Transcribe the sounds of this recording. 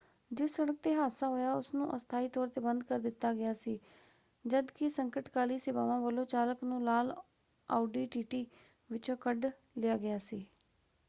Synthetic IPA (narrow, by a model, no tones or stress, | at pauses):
d͡ʒɪsəɽək̚t̪eːɦaːsaːɦoːjaːʊsnũːʔəst̪ʰaːiːt̪ɔːɾt̪eːbənd̪̚kəɾd̪ɪt̪ːaːɡɪjaːsiː | d͡ʒəd̪kɪsəŋkəʈkaːliːsɪba̰ːʋãːʋəlõːt͡ʃaːləknũːlaːl | a̰ːɖiːʈiːʈiː | ʋɪt͡ʃokəɖ | lɪjaːɡɪjaːsiː